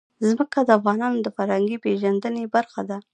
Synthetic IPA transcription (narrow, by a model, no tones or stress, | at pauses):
zməkad̪əafɣɑnɑnod̪əfaɾhaŋɡipeʒand̪ənebaɾxad̪a